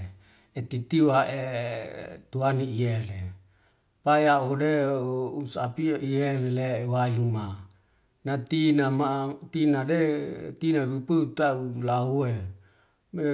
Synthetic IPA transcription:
et̪it̪iuaʔe | t̪uaniiele | pajaodeusapiʔielelewailuma | nat̪inamat̪inadet̪inabipəut̪aulaue | me

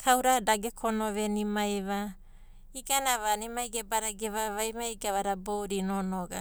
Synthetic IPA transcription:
kʰawɾadaɡekʰonoβenimajβa | iɡanaβanimajɡebaɾaɡeβaβajmaiɡaβaɾaboɾinonoɡa̰

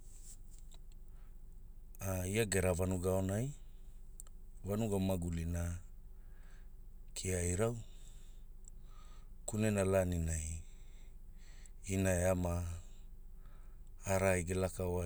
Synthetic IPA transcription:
aiaɡe̞ɾavanuɡaonaj | vanuɡamaɡulina | kʰiajɾaw | kunenalaninaj | inaeama | ɾajɡelakaoa

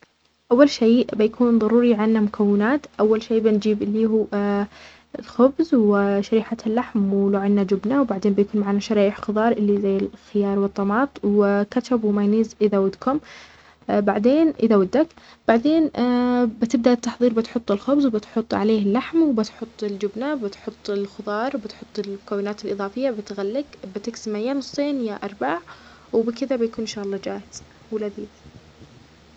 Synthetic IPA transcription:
ʔawːalʃiːʔbɪjakʰuːnðˤɑɾuːɾiʕanːamʊkʰawːɪnaːt̪ʔawːalʃeːbɪnd͡ʒiːbɪlːiːɦuː | ɪlxʊbzwɪʃaɾiːħalːaħmwɪluːʕɪnːad͡ʒʊbnawbaʕd̪eːnbɪjkuːnmaʕanːaʃɑɾɑːʔɪħxʊðˤɑːɾˤʔɪlːizajːɪlxɪjɑːɾˤwɨt̪ˤːɑmɑːt̪ˤwɪkaʃabwɪmajniːzʔɪðawad̪kʰʊm | baʕd̪eːnʔɪðawad̪ːak | b̥aʕd̪eːnbɪt̪ɪb̚d̪aʔɪt̪ːɑħðˤiːɾbɪt̪ħʊt̪ˤːɪlxʊbzwbɪt̪ħʊt̪ˤːʕa̰leːhɪlːaħmwbɪt̪ħʊt̪ˤːɪld͡ʒʊbnabɪt̪ħʊt̪ˤːɪlxʊðˤɑːɾˤwbɪt̪ħʊt̪ˤːɪlmʊkawːɪnaːt̪ɪlʔɨðˤɑːfɪjːabɪt̪ɣalːɪɡbɪt̪ɪksɪmajːanʊsˤːeːnjaʔɑɾˤbaːʕ | wɪbɪkɪðabɪjakuːnɪnʃaːʔɑlˤːɑd͡ʒaːhɪz̥ | wɪlaðiːd̪

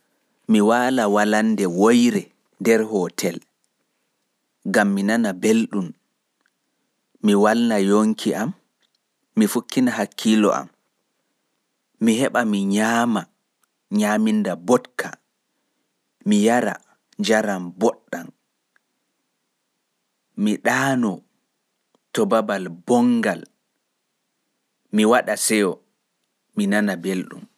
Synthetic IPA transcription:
miwaːlawalandɛwojɾɛ | ndɛɾhɔːtʰɛl | ɡamːinanabelɗum | iwalnajoŋkʰiʔamː | ifukːinaɦakʰːilɔ̰ʔa̰m | ihɛɓamiɲaːma | ɲamindabɔtkʰa | mijaɾa̰ | d͡ʒaɾambɔɗːan | miɗaːnɔ | tɔbabalbɔŋɡal | miwaɗasɛjɔ | minanabelɗṵm

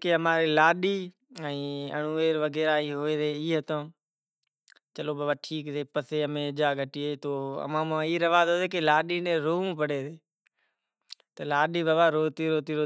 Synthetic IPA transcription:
keəmaːɾeːlaːɗiː | ɛ̃ːə̰ɳuːʋeːɾʋəɡeːɾaːiːɦoːeːɾeːiːɦət̪õː | t͡ʃəloːbaːbaːʈʰiːkseːpəseːəmẽːd͡ʒaːɡʱəʈiːeːt̪oːə̰mãːmãːiːɾəʋaːzoːd̪eːkeːlaːɗiːnẽːɾoːũːpəɽeːd̪eː | t̪əlaːɗiːbaːbaːɾoːt̪iːɾoːt̪iːɾoː

